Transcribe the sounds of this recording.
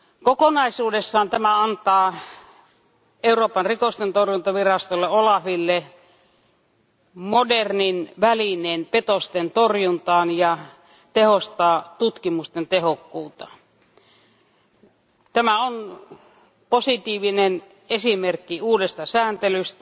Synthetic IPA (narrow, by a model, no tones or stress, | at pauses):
kokonɑisuːdesːɑːnt̪æmæɑnt̪ɑː | euroːpɑnrikost̪ent̪orjunt̪ɑʋirɑst̪olːeolɑfilːe | moderninʋælineːnpet̪ost̪ent̪orjunt̪ɑːnjɑ | t̪ehost̪ɑːt̪ut̪kimust̪ent̪ehokːuːt̪ɑ | t̪æmæon | posit̪iːʋinen | esimerkːiuːdest̪ɑsæːnt̪elyst̪æ